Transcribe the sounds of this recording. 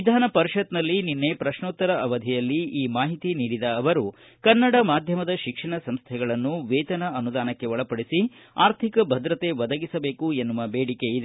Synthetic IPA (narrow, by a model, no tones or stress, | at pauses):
ʋid̪ʱaːnɐpɐɾiʃɐt̪nɐlːininːe̞pɾɐʃɳoːt̪ːɐɾɐɐʋɐd̪ʱijɐlːiiːmaːɦit̪iniːɽid̪ɐːʋɐɾu | kɐnːɐɽɐmaːd̪ʱjɐmɐd̪ɐʃikʂɐɳɐsɐmst̪ʰɛɡɐɭɐnːuʋeːt͡ʃ̪ɐnɐɐnud̪aːnɐkːe̞ʋɔɭɐpɐɽisi | aːɾt̪ʰikɐbʱɐd̪ɾɐt̪e̞ʋɐd̪ɐɡisɐbe̞ːkuenːuʋɐbeːɽike̞id̪e